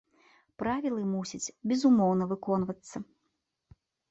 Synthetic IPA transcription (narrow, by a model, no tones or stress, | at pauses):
pɾavʲilˠɨmusʲɐt͡sʲbʲɛzumɔwnɐvɨkɔn̪vɐt̪sːɐ